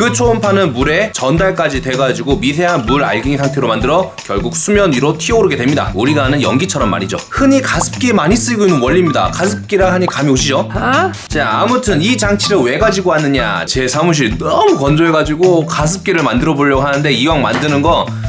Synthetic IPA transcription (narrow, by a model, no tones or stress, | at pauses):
kɯt͡ɕʰoːmpʰanɯnmuɾe̞t͡ɕʌndaɭk͈ad͡ʑitwe̞ɡad͡ʑiɡomis̬ʰe̞ɦanmuɾa̰ɭɡiŋisʰaŋtʰeɾomandɯɾʌkjʌɭɡuk̚s͈ʰumjʌniɾotʰiʌɾɯɡe̞dwe̞mɲida̰uɾiɡanɯnjʌ̰ŋɡit͡ɕʰʌɾʌmːa̰ɲid͡ʑohɯɲikasʰɯ̥p̚k͈emaɲis͈ɯɭɡoinːɯnwʌʎːimɲida̰kasʰɯp̚k͈iɾahaɲikamioɕʰid͡ʑo | t͡ɕaamutʰɯnit͡ɕaŋt͡ɕʰiɾɯwe̞ɡad͡ʑiɡoɦanːɯɲa̰t͡ɕe̞sʰamuɕ̬ʰinʌmukʌnd͡ʑoe̞ɡad͡ʑiɡokas̬ʰɯp̚k͈iɾɯɭmandɯɾʌboʎːʌɡohanɯnde̞iwaŋma̰ndɯnɯnɡʌ